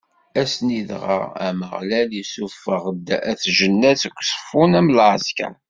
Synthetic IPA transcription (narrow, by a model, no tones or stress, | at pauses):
æsniðʁə̰æ̰məʁlæljisufəʁəd̪ːæθʒənːæθəkʷːsfunæmlʕzkæ̰n